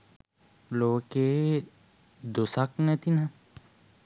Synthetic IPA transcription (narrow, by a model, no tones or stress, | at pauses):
loːke | d̪usaknet̪ina